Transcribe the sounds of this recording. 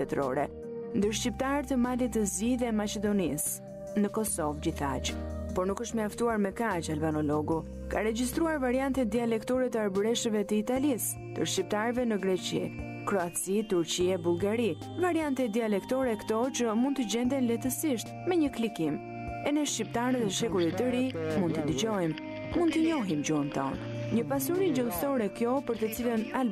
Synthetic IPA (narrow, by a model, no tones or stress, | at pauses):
t̪ɛt̪ɾɔ̰ɾɛ | nd̪əɾʃcipt̪aɾt̪əmalit̪əzd͡ʒiðɛmat͡ʃɛd̪ɔnis | nəkɔsɔvd͡ʑiθa̰t͡ʃpɔɾnukəʃt̪məaft̪uaɾmɛkat͡ʃalbanɔlɔɡu | ka̰ɾɛd͡ʑist̪ɾuaɾvaɾiant̪ɛd̪ialɛkt̪ɔɾɛt̪əaɾbɾɛʃəvɛt̪əit̪alis | nd̪ə̰ɾʃcip̚t̪aɾvɛnəɡɾɛt͡ʃḭ | kɾɔat͡sit̪uɾt͡ɕiɛbulˠɡaɾi | vaɾiant̪ɛd̪ialɛkt̪ɔɾɛkt̪ɔt͡ʃəmund̪t̪əd͡ʑɛnd̪ɛnlɛt̪əsiʃt̪mɛɲəklikim | ɛnɛʃcip̚t̪aɾət̪ɛʃɛkuɾit̪əɾimund̪t̪əd̪əd͡ʑɔjm | mund̪t̪əɲɔɦimd͡ʒuənt̪ɔ̰n | ɲəpasuɾid͡ʒəlˠsɔɾɛkjɔpəɾt̪ət͡siləna